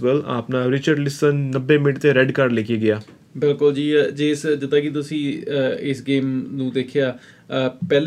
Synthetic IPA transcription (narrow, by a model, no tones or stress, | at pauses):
ʋəla̰ːpnãːɾɪt͡ʃəɖlɪsənːəbːẽːmɪʈt̪eːɾɛɖkəɾɖleːkʰeːɡɪjaː | bɪlkʊld͡ʒiːd͡ʒeːsd͡ʒɪt̪ːaːkit̪̬ʊsĩːɪsɡeːmnũːd̪eːkʰjaː | pɛːl